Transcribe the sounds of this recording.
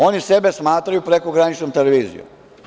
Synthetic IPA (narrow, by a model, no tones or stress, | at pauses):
o̞nise̞be̞smaːt̪ɾajupɾe̞koɡɾanit͡ʃnomt̪eleʋiːzḭjṵ